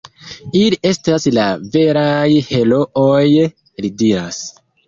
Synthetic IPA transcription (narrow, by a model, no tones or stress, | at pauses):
iliʔe̞staslave̞ɾajhe̞lo̞ʔoj | lidiɾas